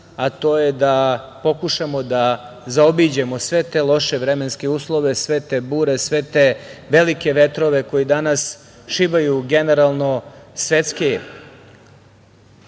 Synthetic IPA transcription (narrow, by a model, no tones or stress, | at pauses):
at̪o̞ːjed̪apo̞kuʃamo̞d̪azaobid͡ʑemosʋe̞t̪elˠo̞ʃeʋɾemenskeuːslˠo̞ʋe̞sʋe̞t̪ebuːɾesʋe̞t̪eʋe̞like̞ʋe̞t̪ɾo̞ʋe̞ko̞jid̪anas | ʃibajuɡe̞neɾalˠno̞sʋet̪ske